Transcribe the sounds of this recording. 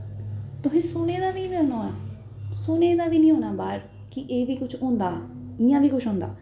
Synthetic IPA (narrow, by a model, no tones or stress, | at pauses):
t̪ʊɦẽːsʊñeːd̪aːbiːbenoːaː | sʊneːd̪aːbiːnĩːõːnaːbaːɾ | kiʔeːbʱiːkʊt͡ʃʰõːnd̪aː | ɪjãːbiːkʊt͡ʃʰõːnd̪a̰ː